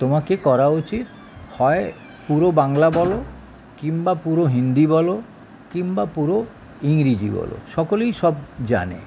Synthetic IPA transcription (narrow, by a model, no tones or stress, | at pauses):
t̪omakekɔɾaut͡ʃit̪̚ | hɔe | puɾobaŋlabɔlo | kimbapuɾoɦind̪ibɔlo | kimbapuɾo | iŋɾid͡ʑḭbɔ̰lo̰ʃɔkolejʃɔbd͡ʑa̰nḛ